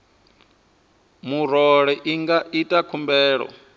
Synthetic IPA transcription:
muɾɔɺɛʔiŋɡaitʼakʰumbɛːɺɔ̰

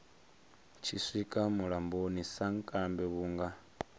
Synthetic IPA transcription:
t͡ʃʰiswikʼamulambonisaŋkʼambeβuŋɡa

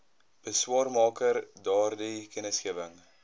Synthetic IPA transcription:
b̥əswɑːrmɑːkərdɑːrdikənəsχiəvəŋ

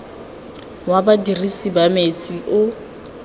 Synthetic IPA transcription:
wabadirisibamet͡sʼiʔʊ

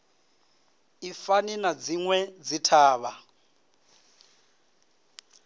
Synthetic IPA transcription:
ifaninad͡ziŋwɛd͡zitʰaːβa

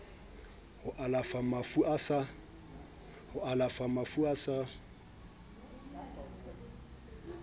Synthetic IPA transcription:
hʊʔalafamafuʔasa | hʊʔalafamafuasa

